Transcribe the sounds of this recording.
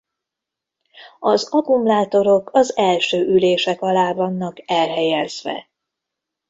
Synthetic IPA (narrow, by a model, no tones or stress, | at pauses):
ɒzɒkumlaːt̪o̞ɾo̞kʰɒzɛlʃøːʔyleːʃɛkɒlaːvɒnːɒkɛlɦɛjɛzʋɛ̰